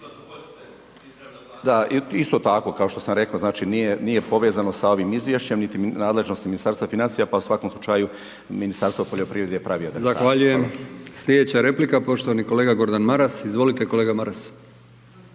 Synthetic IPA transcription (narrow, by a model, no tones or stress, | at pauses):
d̪aist̪o̞t̪ako̞kao̞ʃt̪o̞samɾe̞kaoznaːt͡ʃinijenije̞po̞ʋe̞ːzano̞sao̞ʋimizʋje̞ʃt͡ɕe̞mnit̪inaːd̪le̞ʒno̞st̪iminist̪aɾst̪ʋafinant̪ijapausʋako̞mslˠut͡ʃaju | minist̪aɾst̪ʋopoʎo̞pɾiːʋɾe̞d̪ejepɾʔaʋiːad̪ɾezaaʋaʎujemslʎʲed̪et͡ɕaɾe̞plikapo̞ʃt̪oʋaniko̞leːɡaɡo̞ɾd̪anmaɾasizʋo̞lit̪eko̞leːɡamaɾas